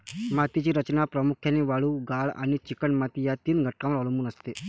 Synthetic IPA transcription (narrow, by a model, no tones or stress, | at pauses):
mat̪it͡ɕiːɾət͡ɕnapɾəmukʰjaneʋaɭuːɡaɭa̰ɽ̃it͡ɕikəɳmat̪ijat̪iːnɡʱəʈ̚kãʋəɾəɭmuːnəst̪e